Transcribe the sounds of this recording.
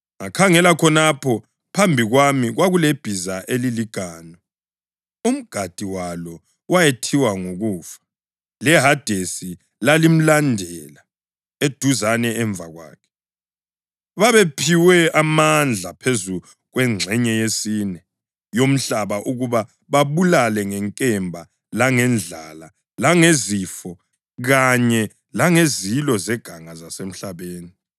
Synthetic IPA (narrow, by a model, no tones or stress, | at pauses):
ŋakʰaŋɛlakʰɔnapʰɔ | pʰambʱiɣwamiɣwaɣuleb̥ʱizaʔeliliɡ̥ʱaːnɔ | um̩ɡ̥ʱad̥ʱiwalɔ | wajetʰiwaŋoɣuːfḁ | lɛɦad̥ʱesi | lalim̩landʱɛla | ed̥ʱuzanɛɛɱb̪vʱaɣwa̰ːkʰɛ̥ | βaβepʰiwɛamand͡ɮʱapʰezu | ɣwɛŋ͡ǀʱɛɲɛjesinɛ | jom̩ɬaβaʔuɣuβa | βaβulalɛŋɛŋkʼɛmbʱa | laŋɛnd͡ɮʱala | laŋezifɔ | ɣaɲɛ | laŋezilɔzɛɡ̥ʱaŋazasem̩ɬaβeːni